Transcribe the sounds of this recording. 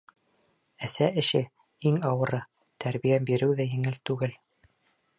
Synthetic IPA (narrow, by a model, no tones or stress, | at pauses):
æsæɘ̆ʃɘ | iŋɑwɤ̆ɾɤ | t̪ʰæɾβijæbiɾɘwðæjɘ̆ŋɘlt̪ʉɡɘl